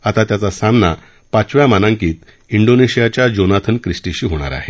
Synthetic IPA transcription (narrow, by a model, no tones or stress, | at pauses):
at̪at̪jat͡sasamna | pat͡sʋjamanãŋkiːt̪ | iɳɖoneɕijat͡ɕjad͡ʑonat̪ʰənkɾisʈiɕiːɦoɽ̃a̰ɾa̰ɦe